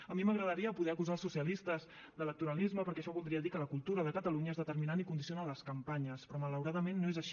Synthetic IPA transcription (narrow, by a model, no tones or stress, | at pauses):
əmiməɣɾəðəɾiəpuðɛəkuzalˠsusiəlist̪əz | d̪ələk̚t̪uɾəlizməpəɾkɛəʃɔβulˠd̪ɾiəðikələkulˠt̪uɾəðəkət̪əluɲəezðət̪əɾminanikund̪isionaləskəmpaɲəspɾɔmələwɾaðəmenːoezəʃi